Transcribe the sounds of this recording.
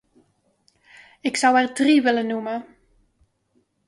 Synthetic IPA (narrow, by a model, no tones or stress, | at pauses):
ɪksʌwɛrdriʋɪlənːumə